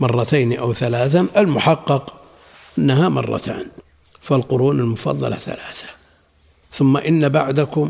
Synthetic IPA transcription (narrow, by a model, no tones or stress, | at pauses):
mɑrˤːɑt̪ajnʔawθalaːθaʔalmʊħɑqːɑq | ʔanːaɦamɑ̰rˤːɑ̰t̪ʰa̰ːn | falqʊɾuːnalmʊfɑ̰ðˤːɑ̰la̰θa̰laːθḁ | θʊmːaʔɪnːabaʕd̪akʊm